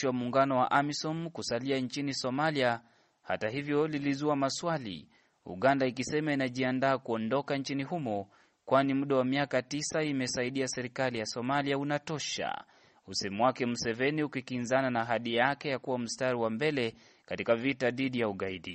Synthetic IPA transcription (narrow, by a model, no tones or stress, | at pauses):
iwamuːŋɡanɔwa̰ʔamisɔmkusaliant͡ʃinisɔmalia | ha̰taɦivjɔlilizuamaswalḭ | ṵɠandaikisɛmainaʄiandaːkuɔndɔkant͡ʃiniɦumɔ | kwanimuɗawamiakatisaimɛsaiɗiasɛɾikalijasɔmaliaunatɔʃa̰ | usɛmwakɛm̩sɛvɛniukikinzananaːɦaɗijakɛjakuwam̩staɾiwambɛlɛ | katikavitaðiɗijauɠaiɗi